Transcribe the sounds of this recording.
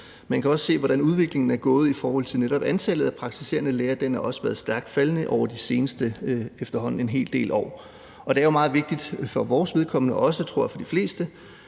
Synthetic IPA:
mænkʰæɒ̽sse̝̰ːʋɒɾ̥ænuð̞ˠʋe̝ɡ̥le̝ŋn̩æɐɡ̥ɔ̽ːð̞̩ˠifɒːhɒ̽l̰t͡sʰe̝lneɾ̥ɒ̽b̥ænt͡sʰælð̞̩ˠæpʰʁɑ̈ɡ̥̚t͡sʰi̥se̝̰ːɐnəleːɐd̥enæɐɒ̽səʋæɐð̞̩ˠsd̥æɐɡ̥d̥fælənəʔɒʊɐd̥ise̝ːnəsd̥əefd̥ɐɦɒ̽n̰n̩e̝nɦe̝̰ːld̥e̝̰ːlʔɒ̰ː | ɒ̽d̥e̝æɐjo̝mɑ̈ːð̞̩ˠʋe̝ɡ̥̚d̥id̥fɒ̽ʋɒːsʋe̝ð̞ˠkʰɒ̽mnəʔɒ̽sət͡sʰʁoɐ̰j̰fɒ̽d̥ifle̝̰ːsd̥ə

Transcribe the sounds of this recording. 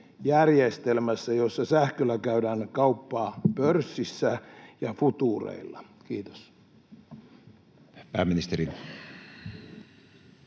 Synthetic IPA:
jærjest̪elmæsːæjosːɑsæhkølækæydænkɑupːɑːpørsːisːæjɑfut̪uːrḛilːɑ̰kiːt̪o̥s | pæːmːinist̪eɾin

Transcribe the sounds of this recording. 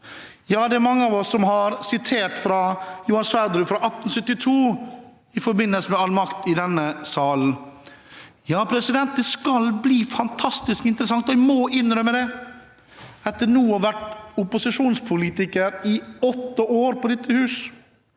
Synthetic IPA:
jɑːd̪ɛæɾmɑŋːəɑʋɔsːɔmhɑɾsɪt̪ʰeːʈfɾɑjʊhɑnsfæɾd̪ɾʉːfɾɑʔɑt̪ːn̩sʏt̪ːɪt̪ʰuː | ɪfɔɾbɪnːəlsəmɛɑlmɑkt̪ɪd̪ɛnːəsɑːln̩ | jɑːpʰɾɛsɪd̪ɛnt̪̚d̪ɛskɑlbliːfɑnt̪ʰɑst̪ɪskɪnt̪əɾəsɑŋt̪ɔɪmɔɪnɾœmːəd̪ɛ | ɛt̪ːəɳuːɔʋæʈʊpʊsɪʂuːnspʰʊliːt̪ɪkəɾɪɔt̪ːəoːɾpʰɔd̪ɛt̪ʰːəhʉːs

